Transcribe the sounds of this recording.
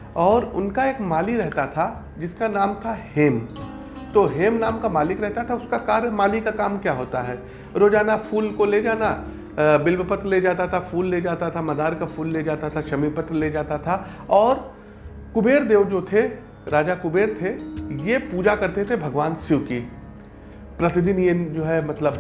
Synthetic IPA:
ɔːɾʊnkaeːkmaːliɾɛɦt̪at̪ʰa | d͡ʒɪskanaːmt̪ʰaheːm | t̪oːɦeːmnaːmkamaːlɪkɾɛɦt̪at̪ʰaʊskakaːɾəmaːlikakaːmkjaːɦoːt̪aɦɛː | ɾoːd͡ʒaːnafʰuːlkoled͡ʒaːna | bɪlbəpət̪ɾled͡ʒaːt̪at̪ʰafuːlːed͡ʒaːt̪at̪ʰamɐd̪aːɾkafʰuːlːed͡ʒaːt̪at̪ʰaʃɐmipɐt̪ɾled͡ʒaːt̪at̪ʰa | ɔːɾ | kʊbeːɾd̪eːʋd͡ʒot̪ʰe | ɾaːd͡ʒakʊbeːɾt̪ʰejepuːd͡ʒakɐɾt̪et̪ʰebʱɐɡʋaːnsuki | pɾɐt̪ɪd̪ɪnjed͡ʒoːɦɛmɐt̪ləb

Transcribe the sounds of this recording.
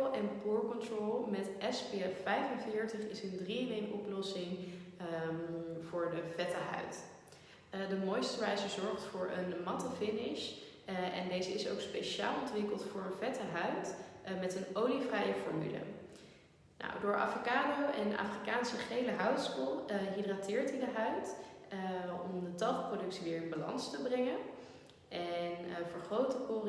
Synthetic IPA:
ɛnpuːɹkɔntrolˠmɛtʔɛspeɛvɛjfənvɪːɹtəχɪsəndriənejʔɔplɔsɪŋ | v̥ʊːɹdəvɛtəɦœ̰ɥt | dəmojstəʋɛjzəzɔɹχtfʊːɹənmɑtəfɪnɪʃ | ʔɛ̰ndejzəɪso̰wkspejʃa̰ːlˠɔntʋɪkəlˠtfʊːɹənvɛtəɦœɥtmɛtənowlivrɛjəfɔɹmy̰lə̰ | na̰wdʊːɹʔa̰ːfrikaːdowʔɛnʔa̰ːfrikaːnsəχejləɦœwtskulˠɦidratɪːɹtɦidəɦœɥt | ɔmdətɑlˠχprowdɵksiʋɪːɹɪnbalɑ̰nstəbrɛŋən | ʔɛnvəɹχrowtəkor

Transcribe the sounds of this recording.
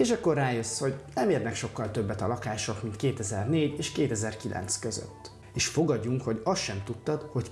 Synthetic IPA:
eːʃɛkːo̞raːjøsːho̞ɟnɛmeːrnɛkʃo̞kːɒlt̪ø̞bːɛt̪ɒlɒkaːʃo̞kmint̪keːt̪ɛzɛrneːɟeːʃkeːt̪ɛzɛrkilʔɛ̰nt̪skø̞zø̰t̪ː | eːʃfo̞ɡɒɟːuŋkho̞ɟɒst̪ʃɛmt̪ut̪ːɒt̪ho̞c

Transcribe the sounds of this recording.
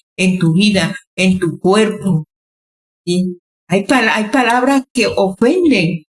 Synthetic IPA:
ent̪uβiðaent̪ukwe̞ɾpo | i | ajpalajpalaβɾakeʔofe̞nd̪eŋ

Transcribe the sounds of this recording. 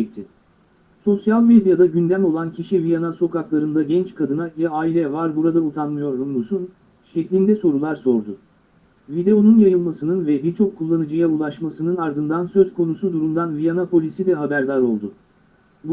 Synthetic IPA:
ɛk̚t̪ʰɪ | so̞sjalʲmed̪jad̪aɟynd̪æmo̞lˠancʰiʃivijanaso̞kaklˠaɾɯnd̪aɟɛnt͡ʃkʰad̪ɯnajaaːilʲɛvaɾbuɾad̪aut̪ʰanmɯjo̞ɾunlˠusun | ʃɛclʲind̪ɛso̞ɾulˠaɾso̞ɾd̪ʊ | vid̪e̞o̞nunjajɯlˠmasɯnɯnvɛbiɾt͡ʃʰo̞kʰːulˠːanɯd͡ʒɯjaulˠaʃmasɯnɯnaɾd̪ɯnd̪ansø̞zkʰo̞nusud̪uɾumd̪anvijanapʰo̞lʲisid̪ɛɦabæɾd̪aɾo̞lˠd̪ʊ | b

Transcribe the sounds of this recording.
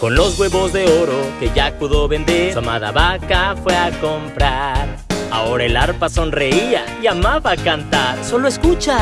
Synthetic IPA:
ko̞nlo̞zɣwe̞βo̞zðe̞o̞ɾo̞ke̞ʝapuðo̞βe̞nd̪esamaða̰βakafwe̞ako̞mpɾaɾ | a̰o̞ɾaelaɾpaso̞nre̞ia | iamaβakant̪aɾso̞loeskut͡ʃa

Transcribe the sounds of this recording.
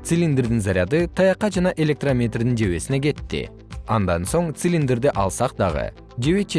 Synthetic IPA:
t̪silʲind̪eɾd̪ɪnzɑɾʲjɑd̪ɯt̪ʰɑjɑqɑd͡ʒɑnɑʔe̞lʲe̞k̚t̪romʲet̪rd̪ind͡ʒe̞we̞sine̞ɡʲe̞t̪ːɪ̰ | ɑnd̪ɑnso̞ɴt̪silʲind̪eɾd̪eʔɑlˠsɑq̚d̪ɑʁə̰ | d͡ʒe̞wet͡ʃʰ

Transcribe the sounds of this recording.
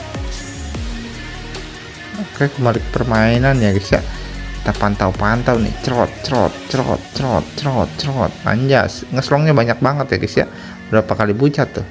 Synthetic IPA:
akajakəmalɪk̚pərmainanjaɡisja̰it̪apant̪awpant̪awnɪ̰ht͡ʃɾɔt̪̚t͡ʃɾɔ̰t̪̚t͡ʃɾɔ̰t̪̚t͡ʃəɾɔt̪̚t͡ʃəɾɔt̪̚t͡ʃəɾɔt̪̚a̰ɲd͡ʒa̰sŋəslɔŋɲabaɲak̚baŋət̪jaɡisja̰ | bəɾapakalibut͡ʃat̪ːʊh

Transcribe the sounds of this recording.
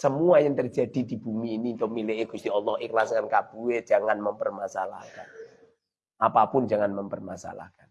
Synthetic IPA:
səmuajəŋt̪ərd͡ʒad̪̥i̤d̪̥i̤b̥umiːnit̪omilɪɦeɡ̥ust̪iɔlːɔhixlasŋkankab̥uwe̥d͡ʒ̥aŋanməmpərmasala̰kan | ʔapapʊnd͡ʒaŋanməmpərmasa̰la̰kan

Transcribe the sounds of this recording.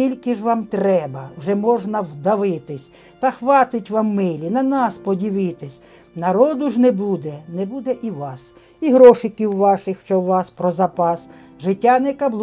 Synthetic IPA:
ilʲkɪʒʋɑmt̪ɾɛbɐwʒɛmɔʒnɐwd̪ɐʋɪt̪ɪsʲ | t̪ɐxʋɑt̪ɪtʲʋɑmːɪlʲinɐnɑspɔdʲiʋɪt̪ɪsʲ | nɐɾɔd̪ʊʒnɛbud̪ɛnɛbud̪ɛʔiʋɑs | iɦɾɔʃɪkʲiwːɑʃɪxʃt͡ʃɔwʋɑspɾɔzɐpɑs | ʒɪtʲːanɛkɐblˠ

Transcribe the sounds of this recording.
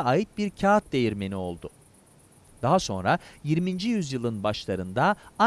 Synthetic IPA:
ajɯt̪̚biɾcʰaːt̪̚d̪e̞jiɾme̞nio̞lˠd̪ʊ | d̪̥aɦaso̞nɾajiɾmind͡ʒijyzjɯlˠɯnbaʃlˠaɾɯnd̪aa

